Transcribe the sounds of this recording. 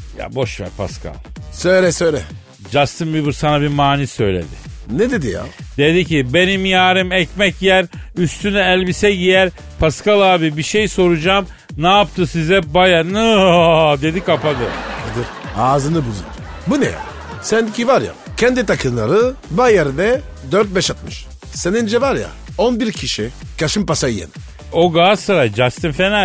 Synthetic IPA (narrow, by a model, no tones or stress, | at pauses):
ja̰bo̞ʃvɛ̰ɾpʰa̰skʰa̰lˠsøjlɛsøjlɛ | d͡ʒast̪ɯnbibɯɾsanabiɾmaːnisø̞jlʲe̞̰d̪ɪnɛd̪e̞d̪ija̰d̪̥e̞d̪icibe̞nimjaːɾɯmɛcmɛcjæɾyst̪ʰynɛɛlʲbisɛɟijæɾ | pʰaskalˠaːbibiʃejso̞ɾud͡ʒaːm | naːpt̪ʰɯsizɛbajanɯ | d̪e̞d̪ikapad̪ɯned̪iɾaːzɯnɯbuzṵn | bunɛ̰ja̰ | sɛnd̪icʰʲivaɾja̰ | cʰɛnd̪it̪ʰakʰɯnlˠa̰ɾɯbajaɾɯnɛ | d̪øɾt̪̚bɛʃat̪̚mɯʃ | senind͡ʒɛvaɾja̰ | onbiɾcʰiʃi | cʰaʃɯmpasajjḛni | o̞ɡaːsɯɾajd͡ʒast̪ʰɯnfenæ